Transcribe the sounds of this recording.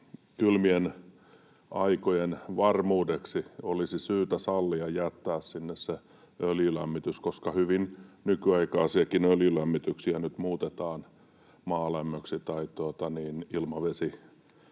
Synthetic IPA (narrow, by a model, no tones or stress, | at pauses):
kylmien | ɑikojenʋɑrmuːdeksiolisisyːt̪æsɑlːiɑjæt̪ːæːssinːesse | øljylæmːit̪yskoskɑhyʋinnykyɑikɑːsiɑkinøljylæmːit̪yksiænyt̪muːt̪et̪ɑːn | mɑːlæmːøksit̪ɑit̪uot̪ɑniːnilmɑʋesi